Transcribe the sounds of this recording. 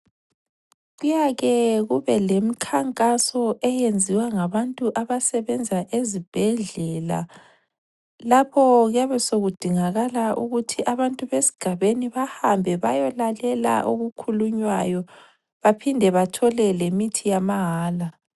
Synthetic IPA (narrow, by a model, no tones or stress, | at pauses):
ɣujaɣɛɣuβɛlemikʰaŋkʼasɔʔɛjend͡zʱiwaŋaβantʼuʔaβasɛβɛnd͡zʱaʔezib̥ʱɛɮɛla̰ | lapʰɔɣɛβɛsoɣud̥ʱiŋaɣalaʔuɣutʰiʔaβantʼuβesi̥ɡ̥ʱaβeniβahambʱɛβa̰jɔlalɛla̰ʔoɣukʰuluɲwajɔ | βapʰindʱɛβatʰɔlɛlemitʰijamaɦaːla